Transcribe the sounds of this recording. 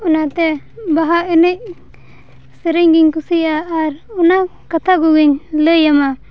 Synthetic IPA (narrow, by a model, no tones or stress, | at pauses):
ɔnat̪ɛ | baɦaɛnɛc̚ | səɾɛɲɡiɲkusijaːɾɔnakat̪ʰaɡuɡiɲləjama